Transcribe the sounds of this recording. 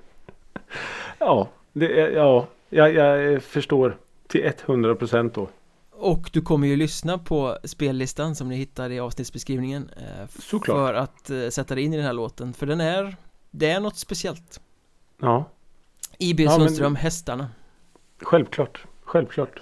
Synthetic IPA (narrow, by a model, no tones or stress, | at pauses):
ɑː | d̪ɛɑː | jajafœʂʈoːɾ | t̪ʰɪlʔɛt̪ːhɵnd̪ɾapʰɾʊsɛnt̪̚d̪ɔ | ɔkd̪ɵkʰɔmːəɾjɵlʏsnapʰɔspeːlːɪst̪ansɔmd̪ɪhɪt̪ːaɾɪɑːvsnɪt̪sbɛskɾiːvnɪŋənsɔkʰlfœɾat̪sɛt̪ːad̪ɛɪnːɪd̪ɛnhæːɭoːt̪ənfœɖɛnæɾd̪ɛæɳɔt̪ːspɛsɪɛlt̪ | ɑː | iːbeːsnœst̪ɾœmːhɛst̪aɳa | ɧɛlvkʰlɑːʈɧɛlvkʰlɑːʈ